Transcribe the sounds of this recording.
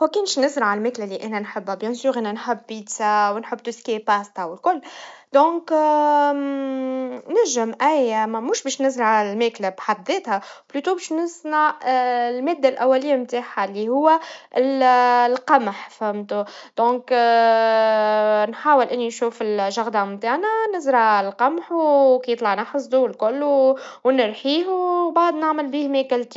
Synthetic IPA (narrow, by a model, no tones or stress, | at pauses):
wækɪnʃnɪzɾʕalmeːklalːiʔɛːnænħəbːhæbjæ̃ːnsyːɾʔænænħɪbpiːt̪sawnħəbːt̪uskipaːst̪awɪlkʊlːd̪ɔ̃ːk | næʒəmʔæjmmʊːʃbɛːʃnæzɾʕalmɛːklæbħad̪ːeːt̪hæblyt̪ubɛːʃnəsnaʕlmeːd̪ːalʔæwːælɪjːamt̪aːħalːihʊwːæɪllqɑmħfhæmt̪ud̪̥ɔ̃ːk | nħaːwəlʔɪnːinʃuːfɪlʒaɣd̪ɑmt̪aːʕnænɪzɾɑlqɑmħukijət̪ˤlɑʕnɑħsˤd̪ulkʊlːuwnɪɾħiːɦubaʕd̪ˤnaʕmɪlbiːhmɛːkɪlt̪i